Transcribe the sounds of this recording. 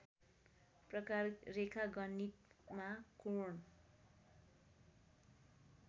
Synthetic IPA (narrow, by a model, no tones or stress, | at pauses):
prʌkarrekʰaɡʌnːit̪makoɳ